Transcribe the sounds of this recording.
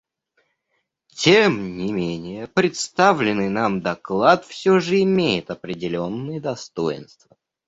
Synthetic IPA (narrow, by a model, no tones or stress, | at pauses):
tʲemnʲɪmʲenʲɪjəpɾʲɪt̪st̪avlʲɪnɨjnamd̪ɐklˠat̪fsʲɵʐɨɪmʲejɪt̪ɐpɾʲɪdʲɪlʲo̞nːɨjəd̪ɐst̪o̞jɪ̰nst̪və